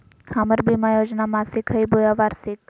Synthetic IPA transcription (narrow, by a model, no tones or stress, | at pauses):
haməɾbiːmãjoːd͡ʒnamãːsikʰɦəibojaʋaːɾsik̚